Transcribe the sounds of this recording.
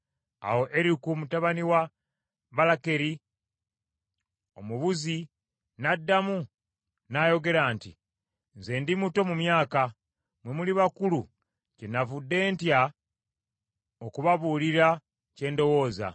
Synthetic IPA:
a̰wo̞ʔe̞ɾikumutaβaniwa | βalake̞ɾi | o̞̰muβuzi | nadːamu | najo̞ɡe̞ɾaːntḭ | nze̞ːndimuto̞mumjaːka | mwemuliβakulu | cenavudːe̞ːntja | okuβaβuːliɾa | ce̞ːndo̞wo̞ːza̰

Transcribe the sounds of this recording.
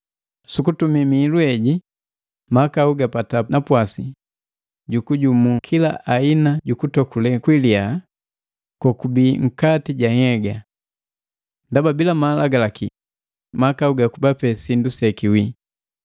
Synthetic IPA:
sukutumimilwɛɟi | makauɡapatanapwasḭ | ɟukuɟumukʰila̰ʔainaɟukutɔkulɛkwilia | kɔkubiŋ̩katiɟahɛɡa | ndababilamaːlaɡalaki | makauɡakubapɛsindusɛkiwi

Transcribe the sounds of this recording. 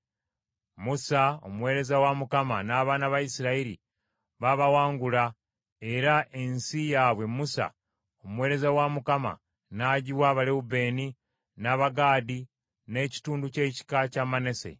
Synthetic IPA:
musao̞̰muwe̞ːɾe̞zawamukama̰naːβaːnaβaisiɾaiɾḭ | βaβawaːŋɡula | e̞ɾaʔensijaːβwe̞musa̰ | o̞muwe̞ːɾe̞zawamukama̰ | naːɟiwaβaleube̞ːni | naːβaɡaːdi | ne̞ːci̥tuːnduce̞ːci̥kacaːmane̞sḛ

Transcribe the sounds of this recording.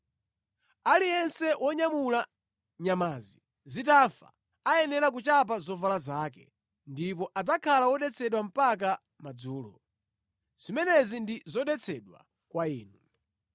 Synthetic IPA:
alijɛnsɛwʔɔɲamula | ɲamazi | zitafa̰ | ajɛnɛɾak̬ut͡ʃap̬azɔvalazaːkɛ̰ | ndip̬ɔʔad͡zakʰalawɔɗɛt͡sʰɛɗwam̩pak̬a | mad͡zuːlɔ̰ | z̥imɛnɛzindizɔɗɛt͡sʰɛɗwa̰ | kwaiːnu

